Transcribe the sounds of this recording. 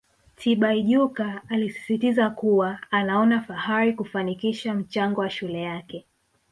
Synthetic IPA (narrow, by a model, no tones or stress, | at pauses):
tʰiɓaiʄukaːlisi̥sitizakuwaːnaɔnafahaɾikufanikiʃam̩t͡ʃaŋɡɔwaʃulɛjakɛ